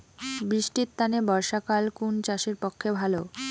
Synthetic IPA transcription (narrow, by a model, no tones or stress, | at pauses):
bɾiʃʈitt̪ːanebɔɾʃakalkunt͡ɕaʃeɾpokʰːebʱalo